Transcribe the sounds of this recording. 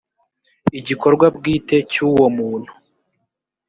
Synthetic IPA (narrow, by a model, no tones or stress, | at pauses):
iɟiko̞ɾɡwab̚ɡiːte̞cuwo̞muːn̥hu̥